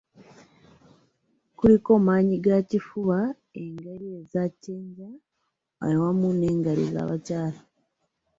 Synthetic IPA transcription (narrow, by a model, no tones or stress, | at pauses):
kuliko̞ːmaːɲiɡacifuβa | eŋɡeɾiezaceːɲɟa | a̰jowamune̞ːŋɡaɾḭza̰ːβacaːla